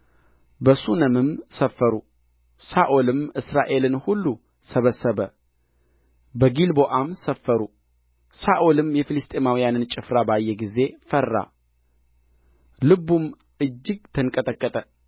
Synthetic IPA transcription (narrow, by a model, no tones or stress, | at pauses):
bəsunəmɨmsəfːəɾu | saʔolɨmɨsɾaʔe̞lɨnhulːu | səβəsːəβə | bəɡilboʔamsəfːəɾu | saʔolɨmjɛfilɨst̪ʼemawijanɨnt͡ʃʼɪfɾabajːɛɡize̞fərːa̰ | lɨbum | ɨd͡ʒːɪɡ̚t̪ʰɨnkʼət̪ʼəkʼːət̪ʼə